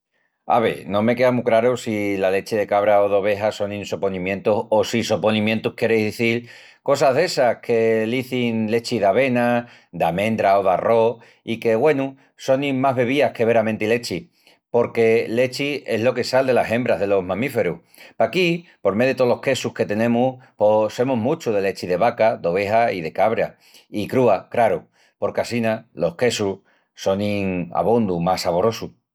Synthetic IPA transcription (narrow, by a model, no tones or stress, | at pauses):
a̰βḛnõ̞me̞ke̞amukɾaɾusilale̞t͡ʃiðe̞kaβɾaoðoβ̞e̞ɦaso̞nĩnso̞po̞nĩmjẽ̞nt̪uso̞siso̞po̞nĩmjẽnt̪uhkje̞ɾejzðiθiɾ | ko̞saɦðe̞sahke̞liθinle̞t͡ʃiðaβe̞na | d̪amẽ̞nd̪ɾaoðaro̞ | ike̞ɣwe̞nu | so̞nimaɦβe̞β̞iahke̞βe̞ɾamẽnt̪ile̞t͡ʃi | po̞ɾke̞le̞t͡ʃie̞ɦlo̞ke̞sald̪e̞lase̞mbɾaɦðe̞lo̞ɦmãmife̞ɾuh | pakipo̞ɾmeðet̪olo̞hke̞suhke̞t̪e̞nẽ̞mupose̞muɦmut͡ʃuðe̞le̞t͡ʃiðe̞βakad̪o̞βe̞ɦaiðe̞kaβɾa̰ | ikɾuakɾaɾu | po̞ɾkasinalo̞hke̞su | so̞niŋa̰β̞ond̪umasaβo̞ɾo̞su